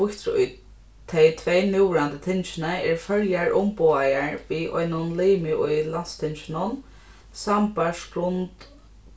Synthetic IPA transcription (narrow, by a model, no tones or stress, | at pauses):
ʊht̪ɾʊ̰j | t̪ʰɛjt̪ʰveːnɪwɾant̪ət̪ʰɪnʃɪnəɛɹfœɾjaɹʔʊmpoajaɹʋiʔɔ̰jnʊnliːmɪʊjlanst̪ʰɪnʃɪnʊn | sampaʂkɾʊnt̪